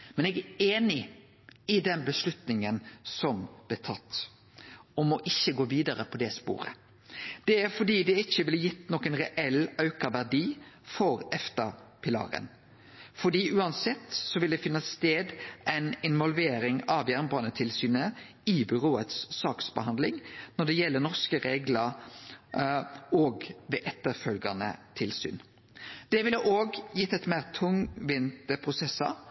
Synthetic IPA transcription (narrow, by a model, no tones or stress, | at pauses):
mɛnɛɡæeːnɪ | ɪd̪ɛnbəslʉt̪nɪŋənsɔmb̥lɛːt̪ʰɑt̪ː | ɔmɔʔɪçːəɡoːʋiːd̪ɑɾəpʰɔd̪ɛspo̰ːɾə̰ | d̪̥ɛæɾfɔɖ̪iːd̪ɛɪçːəʋɪlːjɪt̪ːnɔkənʁɛʔɛlɑʉkɑʋæʁɖiːfɔɾɛft̪əɾpʰɪlɑ̰ːɾə̰n | fɔɖiːʔʉːɑnsɛt̪ːsɔʋɪld̪ɛfɪnːəst̪eːd̪ʔæɪnɪnʋɔlʋeːɾɪŋɑʋjæʁnbɑnət̪ʰɪlsyːnə | ɪbʏʁoːət̪sːɑːksbəhɑnd̪lɪŋnɔɖ̪ɛjɛlːənɔʁskəɾeːɡlɑɾ | ɔːɡʋɛʔɛt̪ːəɾfœlɡɑnə̰t̪ʰɪlsy̰ːn | d̪̥ɛʋɪlːəʔoːɡjɪt̪ːɛt̪mæːʁt̪ʰʊŋʋɪnt̪əpʰʁʊsɛsɑ̰ɾ